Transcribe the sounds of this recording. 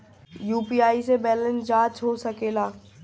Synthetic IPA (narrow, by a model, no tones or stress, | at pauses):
juːpiaːisebɛːlə̃nsd͡ʒãːt͡ʃɦosɐkeːlaː